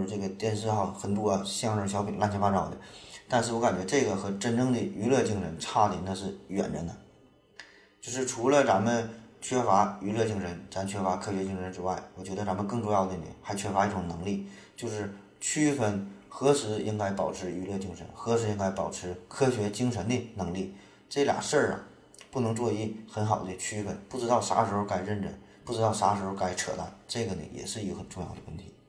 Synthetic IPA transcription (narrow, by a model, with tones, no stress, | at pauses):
ʈ͡ʂɤ˥˩ɡə˩t̪jɛ˥˧nʂɻ̩˥˧xɑ˥˩ŋxə˧˥˩nt̪wɔ˥ɕɛ˥˧˥ʈ͡ʂʊ˥˩ɕjɑ˧˥ʊpʰi˨˩nla˥˧nɕɛ˧˥fa˥ʈ͡ʂa˥˩d̪ə˧˦t̪a˥˧nʂɻ̩˥˩wɔ˧˥ka˨˩nt͡ɕɥɛ˧˥ʈ͡ʂɤ˥˩ɡə˩xɤ˧˥ʈ͡ʂə˥˩nʈ͡ʂɤ˥ŋd̪ə˨y˧˥lɤ˥˧t͡ɕi˥˩ŋʂə˧˥nʈ͡ʂʰa˥˩d̪ə˨˩na˥˧ʂ̬ɻ̩˥˩ɥɛ̰˨˩nɻə̰˧˥nd̪ə˧ | t͡ɕjo˥˧ʊʂ̬ɻ̩˥˩ʈ͡ʂʰu˧˥lə˧t͡sa˧˥nmə˧nt͡ɕʰɥɛ˥fa˧˥y˧˥lɤ˥˧t͡ɕi˥˩ŋʂə˧˥nt͡sa˥nt͡ɕʰɥɛ˥fa˧˥kʰɤ˥ɕɥɛ˧˥t͡ɕi˥˩ŋʂə˧˥nʈ͡ʂɻ̩˥wa˥˩ɪwɔ˨˩t͡ɕɥɛ˧˥d̪ə˧t͡sa˧˥mə˧nkɤ˥˧ŋʈ͡ʂʊ˥˧jɑ˥˩ʊd̪ə˩n̰˨˩˦xa˧˥ɪt͡ɕʰɥɛ˥fa˧˥i˥˩ʈ͡ʂʊ˨˩ŋnɤ˧˥ŋli˥˩ | t͡ɕjo˥˧ʊʂɻ̩˥˩ | t͡ɕʰy˥fə˧˩nxɤ˧˥ʂɻ̩˧˥i˥ŋka˥ɪpɑ˨˩ʊʈ͡ʂʰɻ̩˧˥y˧˥lɤ˥˧t͡ɕi˥ŋʂə̰˧˥nxɤ˧˥ʂɻ̩˧˥i˥ŋka˥ɪpɑ˨˩ʊʈ͡ʂʰɻ̩˧˥kʰɤ˥ɕɥɛ˧˥t͡ɕi˥ŋʂə˧˥nd̪ə˧nɤ˧˥ŋli˥˩ | ʈ͡ʂɤ˥˩lja̰˨˩ʂə˥˩ɐ̰˩ | pu˥˩nɤ˧˥ŋt͡swɔ˥˧i˥˩xə˧˥nxɑ˨˩ʊd̪ə˦t͡ɕʰy˥fə˧˥npu˥˩ʈ͡ʂɻ̩˧˥ɑ˥˩ʊʂa̰˧˥ʂɻ̩˧˥xo˥˧ʊka˥˩ɪɻə˥˩nɻə˥˩n | pu˥˩ʈ͡ʂɻ̩˧˥t̪ɑ˥˩ʊʂa˧˥ʂɻ̩˧˥xo˧ʊka˧˥˩ɪʈ͡ʂʰɤ̰˨˩la̰˥˩nʈ͡ʂɤ˥˩ɡə˩nə̰˩jɛ̰˨˩ʂɻ̩˥˩˧i˥ɡə˧˩xə˨˩nʈ͡ʂʊ˥˧ŋjɑ˥˩ʊd̪ə˩wə˥˩nt̪ʰi̥˧˥